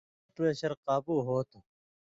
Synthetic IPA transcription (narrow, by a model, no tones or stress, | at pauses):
pɾeːɕɐɾqaːbuːɦoːt̪ʰ